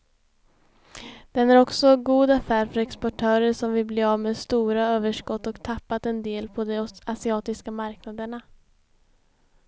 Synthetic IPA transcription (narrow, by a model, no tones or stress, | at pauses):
d̪̥ɛnæɾɔksɔɡuːd̪afæːɾfœɾɛkspɔʈʰœːɾəɾʂɔmvɪlbleːaːvmeːd̪st̪uːɾaøːvəʂkɔt̪ːɔkt̪ʰapːat̪ɛnd̪eːlpʰɔd̪ɔasɪɑːt̪ɪskamaɾknad̪əɳa